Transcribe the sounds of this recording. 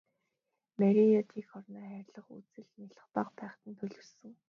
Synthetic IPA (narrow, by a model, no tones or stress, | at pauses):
mæɾʲijɔt̪ʰiːxχɔrnaːχæːɾʲɮə̆χṵt͡sɘ̆ɮniɮə̆χpaqpæːχt̪ə̆nt̪ʰɵɮɵ̆rsɘ̆ŋ